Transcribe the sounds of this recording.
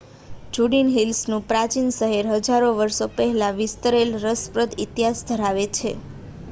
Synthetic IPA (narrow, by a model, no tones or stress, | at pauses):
d͡ʒuɽinɦilsnũpɾat͡ʃinsəɦeɾɦəd͡ʒaɾoʋəɾʃopəɦɛlaʋɪst̪əɾelɾəspɾəd̪it̪jasd̪ʱəɾaʋet͡ʃʰḛ